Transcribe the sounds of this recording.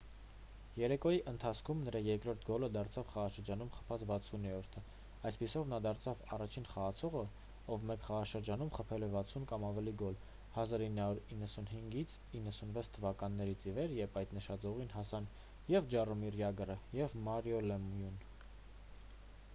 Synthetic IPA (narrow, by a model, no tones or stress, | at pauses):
jɛɾɛkɔjiʔənt̪ʰɑt͡sʰkʰumnəɾɑjɛɾkɾɔɾt̪ʰɡɔləd̪ɑɾt͡sʰɑvχɑʁɑʃəɾd͡ʒɑnumχə̥pʰɑt͡svɑt͡sʰunɾɔɾt̪ʰə | ɑjspisɔvnɑd̪ɑɾt͡sʰɑvɑrɑt͡ʃʰinχɑʁɑt͡sʰɔʁə | ɔvmɛkχɑʁɑʃəɾd͡ʒɑnumχəpʰɛlɛvɑt͡sʰunkɑmɑvɛliɡɔl | hɑzɑɾinːhɑuɾinːəsunɦiŋɡit͡sʰ | inːəsunvɛt͡sʰt̪ʰːəvɑkɑnːɛɾit͡sʰivɛɾjɛpʰɑjt̪nəʃɑd͡zɔʁinɦɑsɑn | jɛvd͡ʒɑrumirjɑɡərəjɛvmɑɾjɔlɛmujun